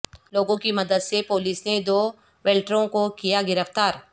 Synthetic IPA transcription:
loːɡõkimɐd̪əd̪sepoːliːsned̪oː | ʋɛːlʈɾõkokijaɡɪɾəft̪aːɾ

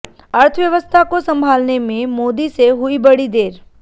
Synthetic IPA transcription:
əɾt̪ʰəʋjəʋəst̪ʰakosəmbʱalnemẽmod̪iseɦuibəɽid̪eɾ

